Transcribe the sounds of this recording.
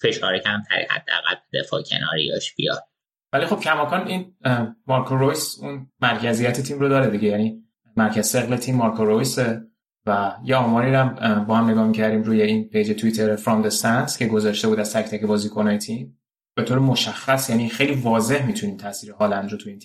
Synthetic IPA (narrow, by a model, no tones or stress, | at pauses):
fe̞ʃɒːɾecʰæmt̪ʰæ̰ɾḭhæ̰d̪̥ːea̰ɣæ̰lbed̪ḛfɒ̰ːcʰḛnɒ̰ːɾḭd̪ɒʃb̥ijɒ̰d̪̥̚ | vælixo̞b̥cʰæmɒːkʰɒːninmɒɾkʰoɾojsunmæɾcʰæzijæt̪ʰet̪ʰiːmrod̪ɒːɾed̪iɟe̞jæni | mæɾcʰæzse̞ɣle̞t̪ʰiːmːɒɾkʰoɾojse̞ | væjeɒːmɒːɾiɾæmbɒːhæmne̞ɡɒːhmicʰæɾd̪iːmɾuːje̞inpʰe̞jd͡ʒe̞t̪ʰuit̪ʰeɾfɾɒmd̪esænscʲʰe̞ɡo̞zɒːʃt̪e̞buːd̪æz̥t̪ʰæct̪æcebɒːziːkʰo̞nɒːjet̪ʰim | b̥e̞t̪oːɾemoʃæxːæsjænixe̞jlivɒːze̞hmit̪ʰuniːmt̪ʰæsiːɾehɒːlænd̪ɾot̪ʰuiːnt̪ʰim